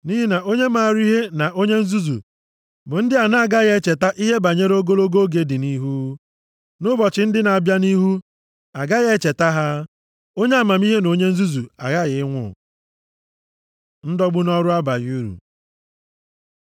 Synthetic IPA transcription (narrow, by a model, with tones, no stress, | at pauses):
ni˦ɦi˦na˨ʔo˦ɲe˦ma˨ɾi˦ɦe˦na˨ʔo˦ɲe˦n̩˦zu˦zṵ˨ | bʊ˨n̩˦dɪ˦a˨na˦a˦˨ɡa˦ɣe˦t͡ʃe˨ta˦ʔi˦ɦe˦ba˨ɲe˦ɾo˦ɡo˦lo˦ɡo˦ɡe˨dɪ˨ni˦ɦu˦ | nʊ˦bɔ˨t͡ʃɪ˨˦n̩˦dɪ˦na˨a˨bja˦ni˦ɦu˦ | a˨ɡa˦ɣe˦t͡ʃe˨ta˦ɦa˦ | o˦ɲe˦a˨ma˨m˦i˦ɦe˦no˨ɲe˦n̩˦zu˦zu˨a˨ɣa˦ɣɪ˨ɪ˦ŋʷʊ̰˦˨ | n̩˦dɔ˦ɡ͡bʊ˦nɔ˦ɾʊ˦a˦ba˨ɣu˦ɾṵ˨